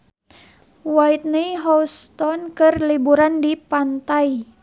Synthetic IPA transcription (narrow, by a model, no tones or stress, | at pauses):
wait̪̚niɦɔst̪ɔnkɨrlibuɾandipant̪ai